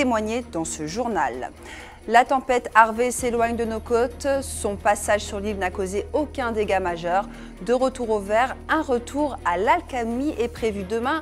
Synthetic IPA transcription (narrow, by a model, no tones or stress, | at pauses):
emwaɲed̪ɑ̃səʒuʁna̰lː | at̪ɑ̃pɛt̪aʁveselwaɲd̪ənokɔt̪sɔ̃pasaʒsyʁlilnakozeokʲɛ̃d̪eɡamaʒœʁ | d̪əʁət̪uʁovɛʁɛ̃ʁət̪ʰuʁalalkamiʔɛpχevyd̪əmɛ̃